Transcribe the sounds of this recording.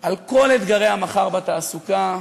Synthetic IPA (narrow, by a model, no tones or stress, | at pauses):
alko̞let̪ɡaʁe̞hamaχaʁbat̪aːsuka